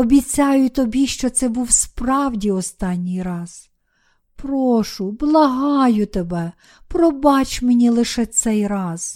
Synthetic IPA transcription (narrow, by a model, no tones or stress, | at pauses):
ɔbʲit͡sʲɑjʊt̪ɔbʲiʃt͡ʃɔt̪sɛbuwspɾɑwdʲiɔst̪ɑnʲːijɾɑz̥ | pɾɔʃʊblˠɐɦɑjʊt̪ebɛ | pɾɔbɑt͡ʃʲmenʲilˠɪʃɛt̪sɛjrɑz̥